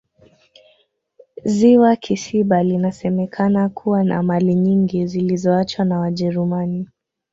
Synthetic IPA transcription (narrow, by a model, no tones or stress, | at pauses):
ziwakʰisiɓalinasɛmɛkʰanakʰuwana̰maliɲiŋɡizilizɔat͡ʃwanawaʄɛɾumani